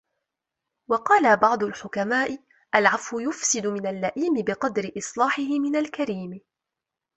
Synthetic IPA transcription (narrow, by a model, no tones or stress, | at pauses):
wɑqɑːlabɑʕd̪ˤʊlħʊkamaːʔɪ | ʔalʕafwʊjʊfsɪd̪ʊmɪnalːaʔiːmɪbɪqɑd̪ɾɪʔɨsˤlɑːħɪɦɪmɪnalkaɾiːm